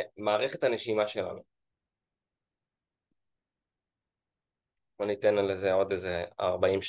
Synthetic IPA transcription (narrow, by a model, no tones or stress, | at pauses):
maːʁeχe̞thaneʃimaʃela̰nu | bonitenlezeo̞dezea̰ʁbaimʃ